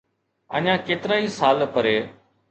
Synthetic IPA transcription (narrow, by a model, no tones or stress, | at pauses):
ə̰ɲãːkeːt̪ɪɾaːiːsaːlpəɾeː